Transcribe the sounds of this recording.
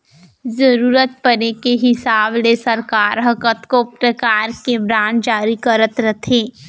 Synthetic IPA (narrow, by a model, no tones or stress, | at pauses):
zəɾuːɾət̪̚pəɾekeɦɪsaːblesəɾkaːɾɦəkət̪kopɾəkaːɾkebɾaːd͡ʒaːɾikəɾət̪ɾət̪ʰɦeː